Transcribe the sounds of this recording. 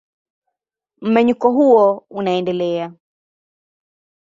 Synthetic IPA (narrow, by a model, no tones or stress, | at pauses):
m̩mɛɲukɔɦuɔunaɛndɛlɛa